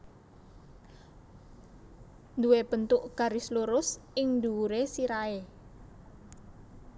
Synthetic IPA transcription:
nd̪uwebənt̪ʊʔɡ̥a̤ɾisluɾʊsɪŋnd̪uuɾesiɾae

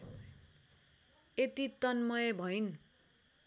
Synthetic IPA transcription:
et̪it̪ʌnmʌebʱʌjn

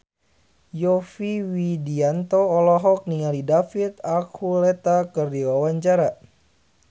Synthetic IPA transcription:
jɔfiwidiant̪oːlɔɦɔk̚niŋalidafit̪akʰhulɛt̪akɨrdiwawaɲt͡ʃaɾa

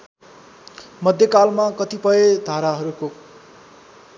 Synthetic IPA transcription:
mʌd̪ʱjʌkalmakʌt̪ipʌjed̪ʱaɾaɦʌɾuko

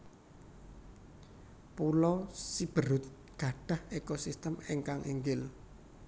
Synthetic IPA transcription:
pulɔsib̥əɾʊt̪̚ | ɡ̥ä̤ɖ̥a̤hekosist̪əmiŋkaŋʔiŋɡɪl

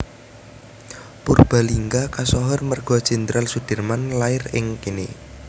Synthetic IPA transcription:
purb̥a̤liŋɡakasɔɦɔrmərɡ̥ɔ̤d̥ʒ̥ɛ̤nd̪ɾʔalsud̪̥ə̤rmanlaɪrɪŋkinɪ

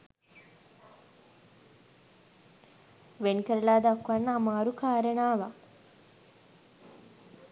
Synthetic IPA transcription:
ʋenkəɾəlaːd̪akuʋanːəːmaːɾukaːɾənaːʋa

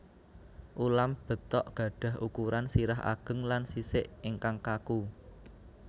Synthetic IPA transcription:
ʔulamb̥ə̤t̪ɔʔɡ̥ä̤ɖ̥ä̤ɦʔukuɾansiɾaɦa̰ɡ̥ə̤ŋlansisɪʔɪŋkaŋkaku

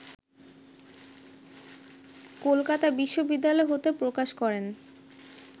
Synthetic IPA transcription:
kolkat̪abiʃːobid̪ːalɔeɦot̪epɾokaʃkɔɾen

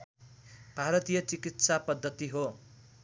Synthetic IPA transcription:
b̥ʱaɾʌt̪ijʌt͡sikit̪sapʌd̪ʱːʌt̪iɦo

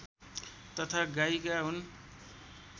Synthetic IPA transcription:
t̪ʌt̪ʰaɡaikaɦun

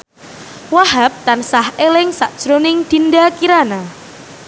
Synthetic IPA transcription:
waɦap̚t̪ansahʔelɪŋsaʔd̥ʒ̥ɾonɪŋd̪̥i̤ndakiɾana

